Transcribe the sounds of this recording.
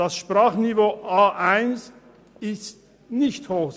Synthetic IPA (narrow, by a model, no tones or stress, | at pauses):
d̥asʃpraːχnivoːʔaːʔaɪns | ɪst̚ | nɪçthoːx